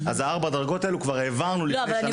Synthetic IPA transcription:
azaaʁbad̪ʁɡo̞t̪aelukvaʁeːvaʁnuli

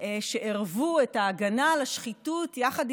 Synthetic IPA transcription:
eʃeʔeʁvuetaːɡanalaʃχitutjaχad

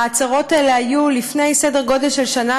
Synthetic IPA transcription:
aːt͡saʁo̞taeleajulifne̞jsede̞ʁɡo̞de̞lʃelʃana

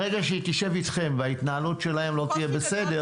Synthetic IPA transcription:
eɡaʃeit̪iʃe̞vit̪χe̞mveait̪naalutʃe̞lahe̞mlo̞t̪ije̞bese̞de

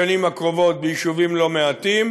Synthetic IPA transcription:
animakʁo̞vo̞t̪̚bejiʃuvimlo̞meat̪im

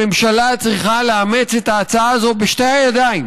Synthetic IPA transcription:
e̞mʃalat͡sʁiχaleame̞t͡set̪aːt͡saaːzo̞beʃtejajad̪aim

